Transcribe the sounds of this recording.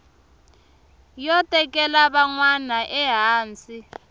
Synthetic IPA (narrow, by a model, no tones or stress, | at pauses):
jɔtʼɛkʼɛlaβaŋwanaʔɛɦaːnt͡sʼi